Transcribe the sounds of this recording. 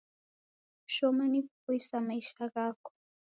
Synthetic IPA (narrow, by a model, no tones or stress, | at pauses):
ʃɔmanikukuisamaiʃaɣaːko̥